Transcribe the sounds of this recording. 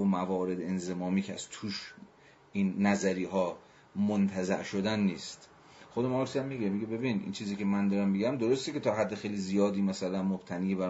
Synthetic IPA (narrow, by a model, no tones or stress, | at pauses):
omævɒːɾe̞d̪enzemɒːmiːkʰeæ̰z̥t̪ʰuːʃ | inːæzæɾiːɦɒː | mont̪ʰæzæ̰ʔʃod̪ænːiːst̪ | xod̪emɒɾksæmːiɡemiɟebe̞biːnʔḭːnt͡ʃʰiːziːkʲʰe̞mænd̪ɒːɾæmːiɡæmd̪oɾost̪ekʲet̪ʰɒːɦæd̪ːexejliːzijɒːd̪iːmæsælænmob̥t̪ʰæniːjebæɾ